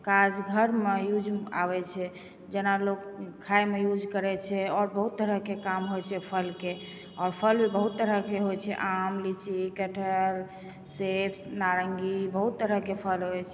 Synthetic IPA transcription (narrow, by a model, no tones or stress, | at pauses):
kad͡ʒɡʱəɾmejud͡ʒʱa̰βɛt͡ʃʰɛ | d͡ʒenalokkʰːaemejud͡ʒkəɾɛt͡ʃʰɛɔɾbəɦut̪ːəɾəɦkekamɦojt͡ʃʰɛpʰəlke | ɔɾpʰəlbəɦut̪ːəɾəkeɦojt͡ʃʰɛ̰ʔamlit͡ʃikɛʈʰəl | sepʰsnaɾəŋɡibəɦut̪ːəɾəkepʰəlɦojt͡ʃʰɛ